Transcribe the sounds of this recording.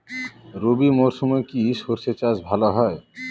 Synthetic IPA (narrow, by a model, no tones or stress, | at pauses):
ɾobimoɾʃɔmɔekiʃoɾsʰet͡ɕad͡ʑbʱalaɦɔe